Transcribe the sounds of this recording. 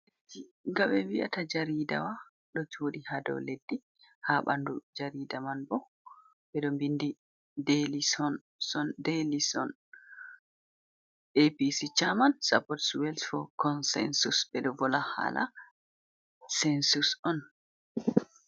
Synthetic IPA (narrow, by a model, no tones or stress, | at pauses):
tːiŋɡaɓɛwiʔatad͡ʒaɾida̰wa | ɗɔt͡ʃoɗihadɔ̰wledːi | haɓa̰ndud͡ʒaɾidamanbɔ | ɓɛɗɔmbindi | delisɔn | sɔndelisɔn | episit͡ʃamansa̰pɔtswɛlsfɔ̰kɔnsɛ̰nsusbɛɗɔvɔlaha̰la̰ | sɛnsusɔn